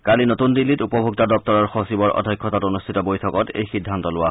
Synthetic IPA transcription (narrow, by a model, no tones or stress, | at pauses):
kalinotundilːitupɔbʱuk̚tadɔp̚tɔɹɔɹxosibɔɹʔɔ̰dʱɔjkʰːɔtatonustʰitɔbojtʰɔkɔtḛjxidʱːantɔlʊwa